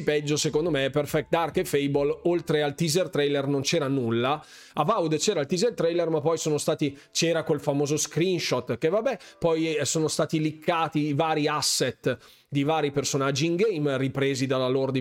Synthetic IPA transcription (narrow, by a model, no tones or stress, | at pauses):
pɛd͡ʒːosekond̪omeɛperfɛk̚d̪arkefejbololt̪ɾealt̪izert̪ɾɛjlernont͡ʃɛːɾanulːa | avawd̪t͡ʃɛːɾailt̪izert̪ɾɛjlermapːɔjsoːnost̪aːt̪i | t͡ʃɛːɾakwelfamoːzoskɾinʃɔt̪kevabːɛpɔjsoːnost̪aːt̪ilikʰːaːt̪iːvaːɾiasːet̪ | d̪ivaːɾipersonad͡ʒːiːŋɡɛjmripɾeːzid̪alalord̪i